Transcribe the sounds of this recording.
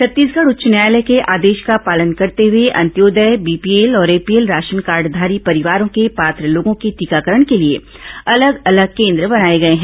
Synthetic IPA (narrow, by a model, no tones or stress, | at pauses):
sɐt̪ːiːsɡəɽʊtːʃənjaːjlɛkeʔaːd̪eːʃkapaːlənkɐɾt̪eɦʊeʔɐ̰̃nt̪joːd̪əjbiːpieːlɔːɾeːpieːlɾaːʃənkaːɾɖd̪ʱaːɾipɐɾɪʋaːɾõkepaːt̪ɾəloːɡõkit̪iːkaːkəɾəɳ̃keliḛ | ɐləɡɐləɡ̚kẽːnd̪ɾəbɐnaːeɡɐeɦɛ̃ː